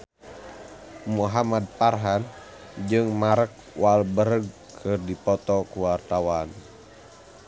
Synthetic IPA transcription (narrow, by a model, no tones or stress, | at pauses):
muɦamad̪̚parɦan | d͡ʒɨŋmaɾək̚ | walbəɾəɡ̚ | kʰɨrdipɔt̪ɔkuwart̪awan